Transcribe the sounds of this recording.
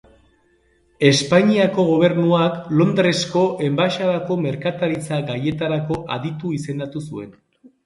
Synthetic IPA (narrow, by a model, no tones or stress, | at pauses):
e̞spaɲiako̞ɣ̞o̞β̞e̞ɾnuaklo̞nd̪ɾe̞sko̞ʔe̞mbaʃaðako̞me̞ɾkat̪aɾit͡saɡaje̞t̪aɾako̞ʔaðit̪uise̞nd̪at̪usue̞̰n